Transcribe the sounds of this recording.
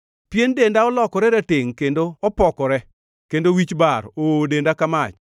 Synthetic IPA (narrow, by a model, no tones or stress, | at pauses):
pjendendaɔlɔkɔɾɛɾatɪŋkendoɔpɔkɔɾɛ | kendowit͡ʃbaɾoːdendakamat͡ʃ